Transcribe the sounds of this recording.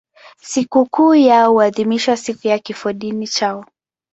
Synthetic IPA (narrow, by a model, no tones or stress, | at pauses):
sikukuːjauaðimiʃwasikujakifɔɗinit͡ʃaɔ